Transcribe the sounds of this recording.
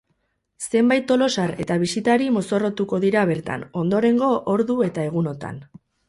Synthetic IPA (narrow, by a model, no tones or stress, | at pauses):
se̞mbajt̪ːo̞lo̞saɾe̞t̪aβ̞isit̪aɾimo̞so̞ro̞t̪uko̞ðiɾaβe̞ɾt̪a̰no̞nd̪o̞ɾe̞ŋɡo̞ʔoɾðue̞t̪ae̞ɣ̞uno̞t̪a̰n